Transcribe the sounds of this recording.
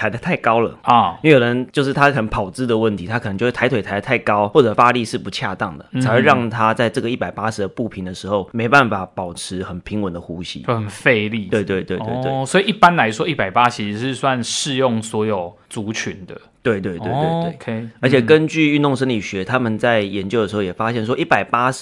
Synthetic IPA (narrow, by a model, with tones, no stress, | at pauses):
a˧˥ɪd̪ə˨˩t̪ʰa˥˩ɪkɑ˥ʊlə˨ɔ˥˩˥jo˨˩ə˧˦nt͡ɕjo˥˧ʊʂɻ̩˥˩t̪ʰa˥˨˩xə˩˧˦npʰɑ˨˩ʊt͡sɹ̩˥˩d̪ə˨wə˥˩nt̪ʰi˧˥a˥kʰn˧˦t͡ɕjo˥˧˥tʰa˧˥ɪwe˨ɪtʰa˧˥ɪə˧t̪ʰa˥˩ɪkɑ˥ʊwɔ˥˩ʈ͡ʂɤ˨˩fa˥li˥˧ʂɻ̩˥˩pu˧˥t͡ɕʰja̰˥˧t̪ɑ˥˩ŋd̪ə̰˩˨˧ɻɑ˥˩ŋt̪ʰa˥t͡sa˥˧ɪʈ͡ʂɤ˥˩ɡə˩i˥˩pa˨˩ɪpa˦˥ʂɻ̩˨d̪ə˨pu˥˩pʰi˨˥nd̪ə˨ʂɻ̩˧˥xo˥˩ʊme˧˥ɪpa˥˩nfa˨˩pɑ˨˩ʊʈ͡ʂ̩ʰ˧˥xə˨˩npʰi˧˥ŋwə˨˦nd̪ə˨xu˧˥ɕḭ˥˧hə˨˩nfe˥˧ɪli˥˨we˥˧t̪we˥˧ɪt̪we˥˧we˥˧ɪt̪we˥˩swɔ˧˥i˨˩ʔi˥˩pa˦nla˧˦˥ɪʂwɔ˥i˥˩pa˨˩ɪpa˦˥t͡ɕʰi˧˥ʂ̩˧˥ʂɻ̩˥˧swa˥˧nʂɻ̩˥˧jo˥˨ŋswɔ˧˥jo˨˩ʊ | t͡su˨˥t͡ɕʰy˧˦nd̪ə˧˩t̪we˥˧ɪt̪we˥˩twe˥˨we˥˧we˥˩kʰə˧˥t͡ɕʰjɛ˨˩kə˦˥nt͡ɕy˥˧y˥˧nt̪o˥˧ŋʂ̬ə˥nli˨˩ɕɥɛ˧˥t̪ʰa˥mə˨nt͡sa˥˩ɪjɛ˧˥nt͡ɕjʊdə˩ʂ̩˧o˥˩jɛ˨˩fa˦˥ɕjɛ˥˩nʂ̬wɔ˥ʔi˥˩pa˨˩ɪpa˥ʂ